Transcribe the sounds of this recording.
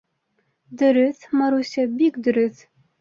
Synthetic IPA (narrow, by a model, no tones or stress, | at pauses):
d̪ɵ̆ɾɘθmɑɾusʲæbikd̪ɵ̆ɾɵθ